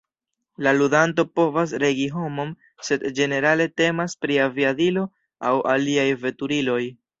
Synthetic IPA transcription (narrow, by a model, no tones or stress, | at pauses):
laludanto̞po̞vas̬ɾe̞ɡiɦo̞mo̞m | se̞dd͡ʒe̞ne̞ɾale̞te̞maspɾiaviadilo̞ | awʔa̰liajve̞tuɾilo̞j